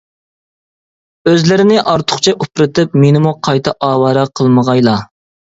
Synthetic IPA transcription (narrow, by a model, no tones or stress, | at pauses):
øzlɪɾɪnɪʔɑɾt̪ʰʊ̥χt͡ʃʰɛʔupɾɨt̪ʰɨpmenɪmuqʰɑjt̪ʰɑʔɑːwɑɾɑqʰəlˠməʁɑjlˠɑ